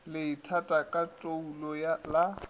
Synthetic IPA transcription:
lɪɪtʰatʼakʼatʼoulɔjala

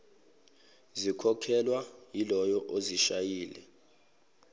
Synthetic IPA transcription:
zikʰɔkʰɛlwajilɔjɔʔoziʃajiːlɛ

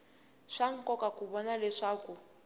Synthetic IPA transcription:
ʂaŋ̩kɔkakuβɔnalɛʂaːku

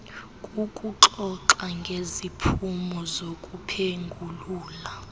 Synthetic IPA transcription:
kʼukʼuǁɔǁaŋɡʱezipʰumɔzokʼupʰeŋɡʱuluːla

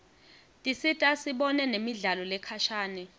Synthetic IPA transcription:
tʼisitʼasiɓɔnɛnemiɮalɔlɛkʰaʃaːnɛ

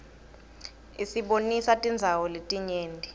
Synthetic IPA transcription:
isiɓonisatʼind͡zʱawɔletʼiɲeːndʱi

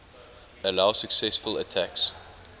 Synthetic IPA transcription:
əlaʊsəksɛsfələtʰæks

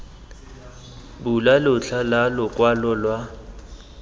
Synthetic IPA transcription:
bulalʊt͡ɬʰalalʊkʼwalɔlwa

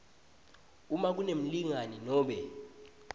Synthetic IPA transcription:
umak̬unem̩liŋaninɔːɓɛ

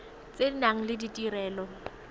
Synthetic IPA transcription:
t͡sʼedinaŋ̩lɪditʼiɾɛːlɔ

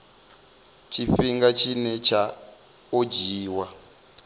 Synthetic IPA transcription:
t͡ʃʰifiŋɡat͡ʃʰinɛt͡ʃʰa | od͡ʒiːwa

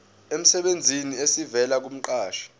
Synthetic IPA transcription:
em̩sɛɓend͡zʱiniesivɛlak̬um̩ǃaːʃḁ

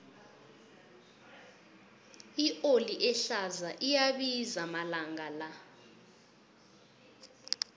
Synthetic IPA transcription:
iʔoliʔɛɬazaʔijaɓizamalaŋɡʱala

